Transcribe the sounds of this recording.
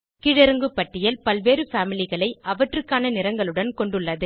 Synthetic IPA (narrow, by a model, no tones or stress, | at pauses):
kɪɻɛɾɯŋɡɯpːɐʈːɪjɐlpɐlʋeːɾɯfaːmɪlɪɣɐɭɐɪʔɐʋɐʈrɯkːaːnɐnɪɾɐŋɡɐɭɯɽɐnkɔɳɖɯɭːɐðɯ